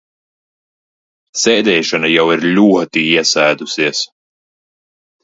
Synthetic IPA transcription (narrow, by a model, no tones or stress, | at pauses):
sɛːd̪ɛːjʃanajawiɾlʲuɔt̪iiɛsæjd̪usiɛs